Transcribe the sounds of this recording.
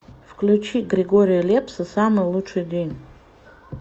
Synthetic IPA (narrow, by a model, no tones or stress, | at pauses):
fklʲut͡ʃʰiɡrʲeɡo̞ɾʲijalʲe̞pʰsɨsamɨjlˠut͡ʂʰɨjdʲenʲ